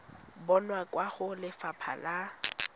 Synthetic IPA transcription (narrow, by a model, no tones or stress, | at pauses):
bɔnwakʼwaχʊlɪfapʰa̰la